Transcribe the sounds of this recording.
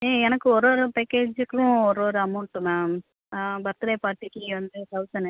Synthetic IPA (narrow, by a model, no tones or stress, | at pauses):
eːɛnɐkːɯɔɾoːɾɯpeːkːeːd͡ʒɯkːʊ̃ɔɾoːɾɯɐmɐʊʈːɯma | bɐɾt̪ːɯlɐːpaːɾʈːikːɯʋɐnd̪ɯsɐʋsɐnɐ